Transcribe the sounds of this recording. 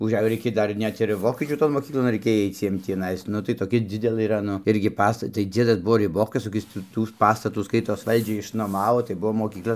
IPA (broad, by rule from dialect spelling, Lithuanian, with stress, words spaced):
ʊʒʲˈæːjoː ˈrʲɛɪkʲeːj ˈdɐr ˈnʲɛt ɪr ˈʋoːkʲiɛt͡ʃʲuː toːn moːˈkʲiːklˠoːn rɐɪˈkʲeːj ˈɐɪt͡s ˈjiɛm tʲiːˈnɐɪs ˈnʊ tɐɪ toːˈkʲɛ ˈd͡zʲɪdʲɛlʲeː ˈiːrɐ ˈnʊ ˈɪrʲɡʲɪ ˈpɑːstɐ tɐɪ ˈd͡zʲiɛdɐs ˈbʊʋoː rʲɪˈboːkɐs koːˈkʲɪs tuː ˈtuː ˈpɑːstɐtuː ˈskɐɪtoːs ˈʋɐlʲd͡ʒʲɛɪ ɪʃnoːˈmɑːʋoː tɐɪ ˈbuɔ moːˈkʲiːklˠɐ